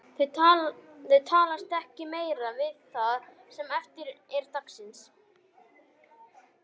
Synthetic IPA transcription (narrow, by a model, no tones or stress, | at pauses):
θʏ | θʏðt̪ʰaːlast̪ɛhcɪmeːjɾavɪðθaðsɛmɛft̪ɪɾɛɾt̪aksɪns